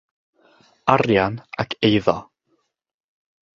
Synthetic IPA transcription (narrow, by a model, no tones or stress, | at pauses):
aɾjanakʰejðɔ